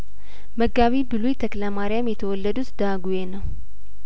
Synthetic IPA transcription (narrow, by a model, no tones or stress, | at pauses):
məɡːaβibɨlujt̪ʰəkləmaɾijamjɛt̪ʰəwɔlːəd̪ut̪d̪̥aɡujenəw